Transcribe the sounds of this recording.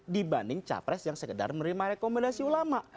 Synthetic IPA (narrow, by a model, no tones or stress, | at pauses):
dibandɪŋt͡ʃa̰pɾɛsjaŋsəkəda̰rməɾimaɾekomɛndasiulamaʔ